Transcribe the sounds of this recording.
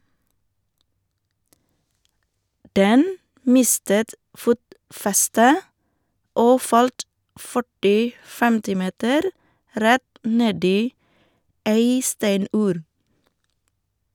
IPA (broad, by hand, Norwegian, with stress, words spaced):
ˈdɛn ˈmɪstət ˈfuːtˌfɛstə ˈoː ˈfɑlt ˈfœʈɪ ˈtɪl ˈfɛmtɪ ˈmeːtəɾ ˈɾɛt ˈneːd ˈiː ˈæɪ ˈstæɪˌnʉːɾ